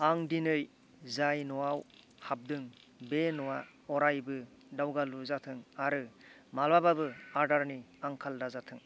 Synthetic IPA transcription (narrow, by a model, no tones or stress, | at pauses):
aŋdinɯj | zajnɔwaw | hab̚dɯŋ | benɔwa | ɔɾajbɯ | dawɡaluzatʰɯŋaɾɯ | malababɯaɾdaɾniaŋkʰaldazatʰɯŋ